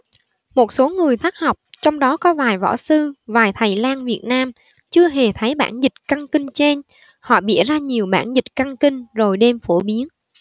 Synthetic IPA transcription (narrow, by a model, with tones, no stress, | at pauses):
mo˨˩t̚so˨˦ŋɨ˨˩əjt̪ʰaː˦˥k̚hɔ˨˩wk͡p̚t͡ɕɔ˧wŋ͡mɗɔ˨˦kɔ˨˦vaː˨˩jvɔ̰˧˥sɨ˧vaː˨˩jt̪ʰə˨˩jlaː˧nvi˨˩ət̚naː˧m | t͡ɕɨ˧əɦe˨˩t̪ʰə˨˦jɓa̰ː˧˩nzï˨˩t̚kə˧ŋkï˧ŋ̟t͡ɕe˧n | hɔ̰˧˨ɓḭ˧˨əzaː˧ɲi˨˩əwɓaː˧˩nzï˨˩t̟̚kə˧ŋkï˧ŋ̟zo˨˩jɗe˧mfo˧˩ɓi˨˦ən